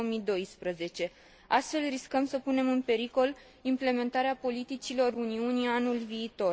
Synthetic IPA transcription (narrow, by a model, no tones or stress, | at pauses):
omid̪o̞jspɾəze̞t͡ʃe̞ | ast̪fe̞lriskəmsəpune̞mɨnpe̞ɾiko̞l | imple̞me̞nt̪aɾeapo̞lit̪it͡ʃilo̞runiunianulviːt̪o̞